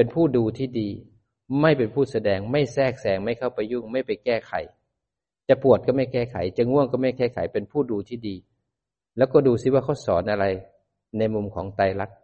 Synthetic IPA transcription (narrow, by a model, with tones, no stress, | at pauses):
pe˨npʰuː˥˩duː˧t̪ʰiː˥˩diː˧ | ma˥˩jpe˨npʰuː˥˩sa˧dɛː˧ŋma˥˩jsɛː˧˩k̚sɛː˨˩ŋma˥˩jkʰa˥˩wpa˨˧jːu˧˥˩ŋma˥˩jpa˨jkɛː˧˩kʰa̰˨˩˦j | t͡ɕa˧pu˨˩ət̪̚ka˧˩ma˥˩jkɛː˧˥˩kʰa̰˨˦jt͡ɕa˨˧˩ŋu˧˥˨əŋka˧˥˩ma˥˩jkɛː˥˩kʰa̰˨˩˦jpe˨npʰuː˥˩duː˧t̪ʰiː˥˩diː˨˧ | lɛː˦˥˩wkɔː˧˥˩duː˧si˧˦waː˧˩kʰa˥˩wsɔː˩˦nʔa˧ɾa˧j | na˧jmu˧mkʰɔː˩˦ŋt̪aː˧jla˦˥k̚